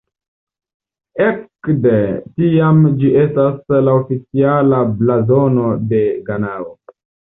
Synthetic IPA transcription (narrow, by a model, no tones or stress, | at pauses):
ekdetiamd͡ʒiʔe̞staslaofit͡sialablazo̞no̞de̞ɡanao